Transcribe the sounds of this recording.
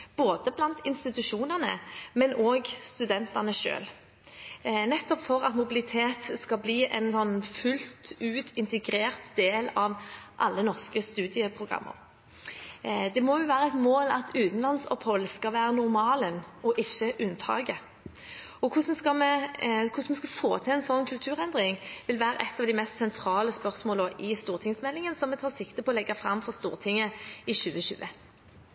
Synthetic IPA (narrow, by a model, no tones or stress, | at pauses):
b̥oːd̪əblɑnt̪ɪnst̪ɪt̪ʉʂuːnəʁnə̰mɛnʔoːɡst̪ʉd̪ɛnt̪ɑʁnəʃø̰ːl | nɛt̪ːɔpfɔʁɑt̪mʊbɪlɪt̪ʰeːt̪skɑbliːʔɛ̰nsɔnːfʉlt̪ʉːt̪ʰɪnt̪ɛɡɾeːʁt̪d̪eːlɑʋʔɑlːənɔʁskəst̪ʉːd̪ɪəpʰɾʊɡʁɑ̰mːə̰ɾ | d̪ɛmɔjʊʋæːʁəɛt̪moːlɑt̪ʰʉːt̪n̩lɑnsɔ̰phɔlːskɑʋæːɾənʊʁmɑːlənɔʔɪʃːəʔʉnt̪ʰɑ̰ːɡə | ɔkʰʊsɔmskɑmɛkʰʊsmɛskɑfoːt̪ʰɛɛnsɔnːkʰʉlt̪ʰʉːʁɛnd̪ʁɪŋʋɪlʋæːɾə̰ʔɛt̪ːɑʋd̪æɪmɛst̪sɛnt̪ʰɾɑːləspœʁsmoːləʔɪst̪uːʁt̪ʰɪŋsmɛlːɪŋənəsɔmɛt̪ʰɑːʁsɪkt̪əpʰɔːlɛɡːɑfʁɑmfɔʁst̪ṵːʁt̪ʰɪŋːəɪɕʉːəɕʉ̰ːʔə